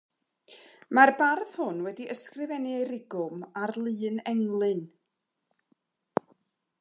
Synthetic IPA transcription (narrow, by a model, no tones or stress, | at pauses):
marbarð̥hʊnwɛdiʔəskrɪvɛnɨejɾɪɡʊmarlˠɨːnɛŋlˠɨn